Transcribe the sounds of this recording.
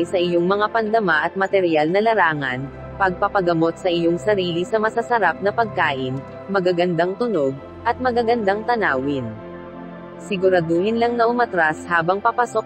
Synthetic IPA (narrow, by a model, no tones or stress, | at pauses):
jsɐʔɪjo̞ŋmɐŋapɐnd̪ɐmaʔɐt̪̚mɐt̪ɛɾjalnɐlɐɾaːŋɐn | pɐɡ̚pɐpɐɡɐmo̞t̪̚sɐʔɪjo̞ŋsɐɾiːlisɐmɐsɐsɐɾap̚nɐpɐɡ̚kaːʔɪn | mɐɡaɡɐnd̪aŋt̪ʊno̞ɡ̚ | ʔɐt̪̚mɐɡaɡɐnd̪aŋt̪ɐnaːwɪn | sɪɡʊɾad̪ohɪnlɐŋnɐʔʊmɐt̪ɾashaːbɐŋpɐpɐsok